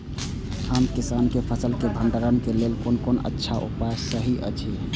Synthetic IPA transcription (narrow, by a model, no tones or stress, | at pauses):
həmkisankepʰəsəlkeb̪ʱəɳɖəɾənkelelkonkonə̰tːʃʰaʔṵpasəɦiʔə̰t͡ʃʰi